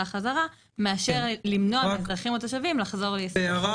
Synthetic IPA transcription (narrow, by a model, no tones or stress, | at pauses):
aχazaʁa | meaʃeʁlimnotadʁaχimot̪aʃavimlaχzo̞ʁleeaʁa